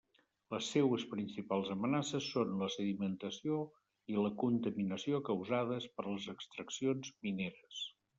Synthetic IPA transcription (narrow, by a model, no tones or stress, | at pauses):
ləsːɛwəspɾinsipalˠzəmənasəsːonləsəðimənt̪əsio | iləkunt̪əminəsiokəwzað̞əspəɾləzəkst̪ɾəksionzmineɾəs